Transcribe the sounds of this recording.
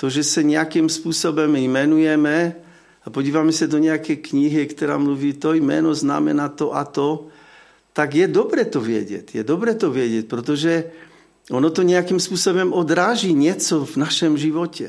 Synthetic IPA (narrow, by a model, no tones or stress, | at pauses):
t̪ɔʒɛsaɲɛakimspuːsɔbɔmjmɛnujɛmɛ | apɔɟiːʋamɛsad̪ɔɲɛakɛjkɲiɦikt̪ɔɾa̰ːmluʋiːt̪ɔjmɛ̰nɔzna̰mɛ̰naːt̪ɔʔat̪ɔ | t̪aɡjɛd̪ɔbɾɛːt̪ɔʋɪɛ̰ɟɛ̰cjɛd̪ɔbɾɛt̪ɔʋɪɛɟɛc̚pɾɔt̪ɔʒɛ | ɔnɔt̪ɔɲɛakimspuːsɔbɔmɔd̪ɾaːʒiɲɪɛt͡sɔvnaʃɔmʒiʋɔcʰɛ̰